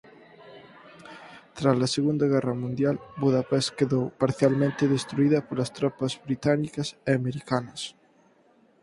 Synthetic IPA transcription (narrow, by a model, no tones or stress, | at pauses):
t̪ɾazlɐseɣund̪ɐɣɛrɐmũnd̪jalbuðapɛskeðowpaɾθjalmẽnt̪eðest̪ɾuiðɐpolɐst̪ɾɔpɐzβɾit̪anikɐseameɾikanɐs